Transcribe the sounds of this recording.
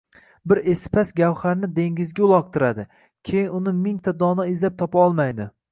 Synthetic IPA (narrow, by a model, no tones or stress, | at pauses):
bɪɾe̞spʰasɡʲawχaɾnɪd̪e̞ŋɡʲɪzɡʲaʊlˠɒq̚t̪ʰɪɾad̪ɪ | kʲʰejɪnʊnɪmɪŋt̪ʰad̪ɒnɒɪzlap̚t̪ʰɒpaɒlˠmajd̪ɪ